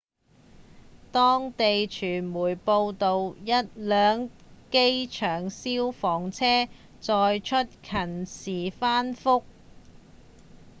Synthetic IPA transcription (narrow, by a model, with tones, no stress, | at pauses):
t̪ɔː˥ŋt̪e˨jt͡ʃʰyː˨˩nmuː˨˩jpo˧wt̪o˨wjɐ˥t̚lœː˨˧ŋke˥jt͡ʃʰœː˨˩ŋsiː˥wfɔː˨˩ŋt͡sʰɛː˥ | t͡sɔː˧jt͡ʃʰɵ˥t̚kʰɐ˨˩nsiː˨˩faː˥nfʊ˥k̚